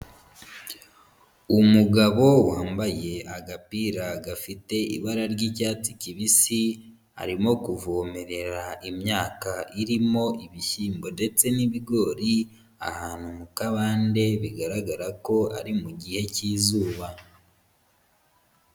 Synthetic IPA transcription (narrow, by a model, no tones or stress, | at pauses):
umuɡaβo̞waːmbaje̞aɡapiɾaɡafite̞ḭβaɾaɾɟicaːt͡siciβisi | a̰ɾimo̞kuvoːme̞ɾe̞ɾaimɲaːkaʔiɾimo̞iβiçiːmbo̞nde̞t͡se̞niβiɡo̞ɾi | a̰haːnumukaβaːnde̞βiɡaɾaɡaɾako̞a̰ɾimuɟihe̞ciːzuːβa